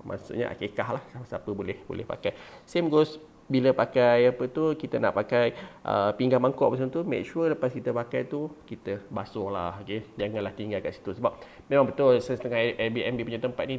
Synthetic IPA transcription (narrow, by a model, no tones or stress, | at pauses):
ma̰sṵɲa̰ʔa̰kekahlahsaasapəbolɛhbo̰lʔɛ̰hpa̰kajsemɡos | biləpakajapət̪ukit̪əna̰ʔpakajʔə̰piŋɡahmaŋkɔʔpəsəmət̪umḛk̚t͡ʃuələpaskit̪əpakajt̪ukit̪əbasʊŋla̰hked͡ʒaŋanlaht̪iŋɡalkaʔsi̥t̪usəbap̚ | mẽmaŋbət̪olsəst̪əŋaɛbiɛmbipuɲat̪əmpat̪̚nĩ